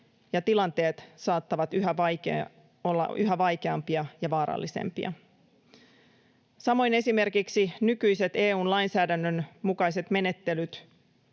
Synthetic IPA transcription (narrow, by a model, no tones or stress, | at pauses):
jɑt̪ilɑnt̪e̞ːt̪sɑːt̪ːɑʋɑt̪yɦæɑk | olːɑ̰ʔyɦæʋɑjk̟e̞ɑmpiɑjɑʋɑːɾɑ̰lːisḛmpḭɑ̰ | sɑmo̞jne̞sime̞rkiksinykyjse̞t̪e̞ːuːnlɑjnsæːdænːønmukɑjse̞t̪me̞ne̞t̪ːe̞lyt̪